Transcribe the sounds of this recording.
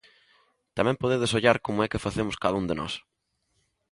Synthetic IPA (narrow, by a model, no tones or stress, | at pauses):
t̪amɛ̃mpoðeðesoʎaɾkomʊɛkɪfaθemʊskaðaund̪enɔ̰s